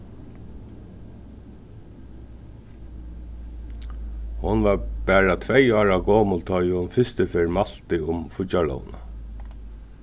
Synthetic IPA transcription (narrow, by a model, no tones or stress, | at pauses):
hʊnʋabæːɹat̪ʰvɛjɑːɹaɡɔːmʊlt̪ʰɔjhʊnfɪst̪ɪfeɹmal̥t̪ɪʊmfʊt͡ʃalɔ̰ːwna̰